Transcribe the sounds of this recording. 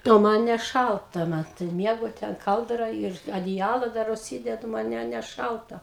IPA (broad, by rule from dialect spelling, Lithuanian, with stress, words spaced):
oː ˈmɐn nʲɛˈʃɐlˠtɐ ˈmɐt tɐɪ ˈmʲiɛɡʊ ˈtʲɛn ˈkɐlˠdrɐ ɪr ɐdʲɪˈjæːlˠɐ ˈdɐr ʊʃʲˈsʲiːdʲɛdʊ ˈmɐn ˈnʲɛ ˈnʲɛ nʲɛˈʃɐlˠtɐ